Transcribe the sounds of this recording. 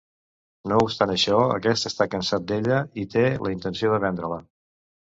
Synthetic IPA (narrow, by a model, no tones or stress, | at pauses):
noupst̪anəʃɔə̰kɛst̪əst̪akənsat̪̚d̪eʎəit̪elʔəint̪ənsioðəβɛnd̪ɾələ